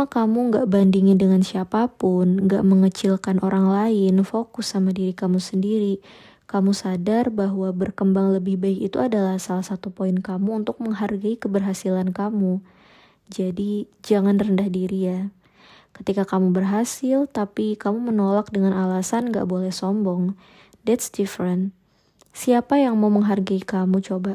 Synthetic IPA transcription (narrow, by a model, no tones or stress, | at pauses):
akamuŋɡaʔbandiŋɪndəŋansiapapʊnŋɡa̰ʔməŋət͡ʃɪlkanʔoɾaŋlaɪnfokʊsamadiɾikamusəndiɾi | kamusadarbaɦwabərkəmbaŋləbɪhbaɪkit̪uadalahsalahsat̪upoɪnkamuːnt̪ʊk̚məŋɦarɡaikəbərɦasilankamu | d͡ʒadi | d͡ʒaŋanrəndahdiɾija | kə̥t̪ikakamubərɦasɪlt̪apikamumənolak̚dəŋanalasanŋɡa̰ʔbolɛhsɔmbɔŋ | dɛt̪sdifɾən | siapajaŋmauməŋɦarɡaikamut͡ʃoba